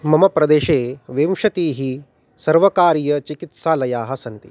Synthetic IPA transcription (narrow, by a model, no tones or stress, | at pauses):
mɐmɐpɾɐd̪eːʃeːʋemʂɐt̪iːɦi | sɐɾʋɐkaːɾijɐt͡ʃikit̪saːlɐjaːɦɐ̆sɐnt̪ḭ